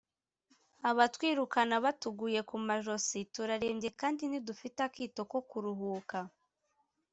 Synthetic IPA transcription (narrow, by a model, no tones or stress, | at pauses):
aβatwiːɾukanaβatuɡuje̞kumaʒo̞situɾaɾe̞ːmɟe̞kaːndinidufitakiːto̞ko̞kuɾuɦuːka